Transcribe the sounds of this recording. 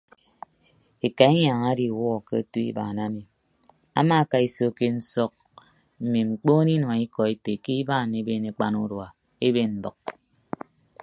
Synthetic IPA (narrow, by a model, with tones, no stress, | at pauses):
e˨ka˨e˦ɲa˨ŋa˦di˨wɔ˦˨ke˦˨tu˦ḭ˦ba̰˨na˦mi˨ | a̰˦ma˦˨ka˨i˨so˨ke˨n̩˦sɔ˦˨k̚ | m̩˨mi˨ŋ͡m̩˨k͡poː˦ni˦nwi˦kɔ˨e˦te˨ki˦i˦baː˦˨ne˦be˦ne˨k͡pa˦nu˦ɾwa˨ | e˦be˦n̩˦bɔ˨k̚